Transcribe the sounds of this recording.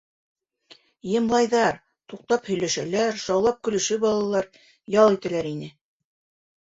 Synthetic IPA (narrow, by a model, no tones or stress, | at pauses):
jɤ̆mlˠɑjðɑɾ | t̪uq̚t̪ɑphɵ̆jlæʃælæɾʃɑwlˠɑp̚kɵ̆lɘ̆ʃɵbɑlˠɑlˠɑɾ | jɑlˠit̪ælæɾinɘ